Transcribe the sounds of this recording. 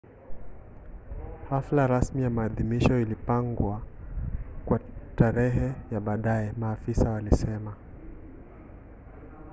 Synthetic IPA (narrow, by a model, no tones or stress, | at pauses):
haflaɾasmijamaːðimiʃɔilipaŋɡwa | kwataɾɛɦɛjaɓaːɗaɛmaːfisawalisɛma